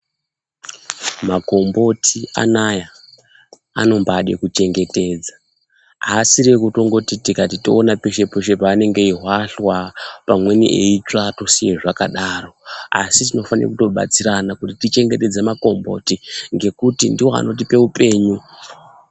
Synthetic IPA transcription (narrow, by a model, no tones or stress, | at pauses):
mako̞mbo̞tʰia̰naja | a̰no̞mbaːɗḛkut͡ʃe̞ŋɡe̞te̞ːd͡za | asirekuto̞ŋɡo̞titikatitoːnapeʃe̞peʃe̞paːne̞ŋɡe̞iɦwaɬwapamwe̞niʔeit͡ʂato̞sijeʐakaɗaro̞a̰sitino̞fanḭra̰kuto̞ɓa̰t͡siɾanakutitit͡ʃe̞ŋɡe̞te̞d͡zemako̞mbo̞̰tiŋɡe̞kutindiwo̞a̰no̞t̬ipe̞upe̞ːɲu